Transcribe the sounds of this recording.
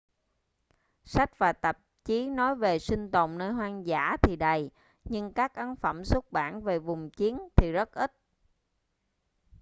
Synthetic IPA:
sa˦˥k̟̚vaː˨˩t̪ə˨˩p̚t͡ɕi˨˦nɔ˨˦jve˨˩sï˧ŋ̟t̪ə̰˨wŋ͡mnəː˧jɦwaː˧ŋza̰ː˧˥t̪ʰi˨˩ɗə˨˩j | ɲɨ˧ŋkaː˦˥k̚ʔə˨˦nfə˧˩msu˦˥t̚ɓa̰ː˧˩nve˨˩vʊ˨˩ŋ͡mt͡ɕi˨˦ənt̪ʰi˨˩zə˦˥t̚ʔi˦˥t̚

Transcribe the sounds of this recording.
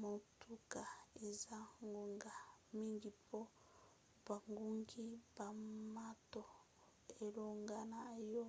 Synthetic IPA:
mo˨tʰu˦ka˨e˨za˦ŋɡo˨ŋɡa˨mi˦ŋɡi˨pʰo˦ | b̥a˨ŋɡu˦ŋɡi˦ba˨ma˦to˨ | e˨lo˨ŋɡa˦na˨jo˦

